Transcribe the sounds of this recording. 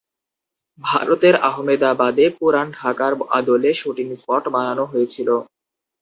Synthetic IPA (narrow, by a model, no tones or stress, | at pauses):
bʱa̰ɾot̪eɾaɦomed̪abad̪epuɾanɖʱakaɾa̰d̪oleʃuʈiŋspɔʈbananoɦojet͡ɕʰilo